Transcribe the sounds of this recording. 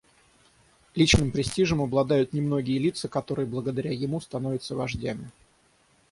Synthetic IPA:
lʲit͡ɕnɨmpɾʲɪsʲtʲiʐəmɐblˠɐd̪ajʊt̪nʲɪmno̞ɡʲɪjəlʲit̪səkɐt̪o̞ɾɨjəblˠəɡəd̪ɐɾʲajɪmust̪ɐno̞vʲɪt̪səvɐʐdʲæmʲɪ

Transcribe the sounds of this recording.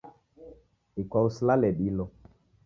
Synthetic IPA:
ikwawuslalɛɗilɔ

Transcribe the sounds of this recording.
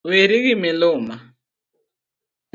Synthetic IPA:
weɾiɣimɪlʊːma

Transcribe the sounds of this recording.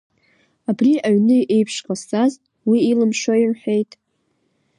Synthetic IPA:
abriʔaɥnɨʔejpʰʂqʼasaz | wiːlɨmʂoirħʷᶣe̞jtʼ

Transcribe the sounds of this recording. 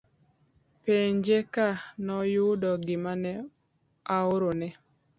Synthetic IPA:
peɲd͡ʒekanɔjudɔɡɪmanɛ | aoɾonɛ

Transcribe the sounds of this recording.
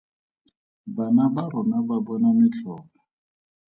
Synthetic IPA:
banabaɾʊnababɔnamɪt͡ɬɔːkɔ

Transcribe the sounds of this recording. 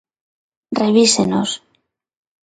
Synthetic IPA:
reβ̞iseno̰s

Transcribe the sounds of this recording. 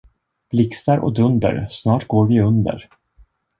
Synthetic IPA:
b̥lɪkst̪aɾʔɔ̰d̪ɵnd̪ə̰ɾsnɑːʈɡoːɾvɪɵnd̪ə̰ɾ

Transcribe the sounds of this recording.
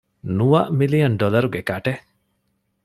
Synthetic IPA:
nuʋɐʔmilijɐnɖɔlɐɾuɡekaʈe

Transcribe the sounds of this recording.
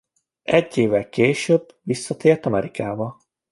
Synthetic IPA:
ɛɟːeːvɛlkeːʃøːb | ʋisːɒt̪eːrt̪ɒmɛɾikaːbɒ

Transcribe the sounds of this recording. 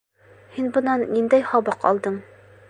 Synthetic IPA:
hinbɤ̆nːɑnːind̪æjhɒbɑqɒ̰lˠd̪ɤɴ

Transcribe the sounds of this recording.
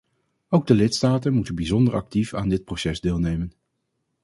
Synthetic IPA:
owɡ̚dəlɪtstaːtənmutənbizɔndəɹʔɑ̰k̚tifa̰ːndɪt̚prowsɛzdɪːlˠnejmən

